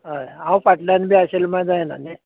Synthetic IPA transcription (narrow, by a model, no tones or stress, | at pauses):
ɦəãwfaʈljanbʱiːaɕelmãjd͡zajena̰ne